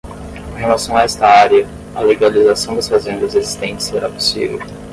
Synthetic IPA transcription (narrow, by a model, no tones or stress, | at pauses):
kõhelasɐ̃w̃aɛst̪ɐaɾjɐ | ɐleɡalizasɐ̃w̃d̪ɐsfazẽnd̪ɐzezist̪ẽnt͡ʃɪ̥seɾapu̥sḭvḛw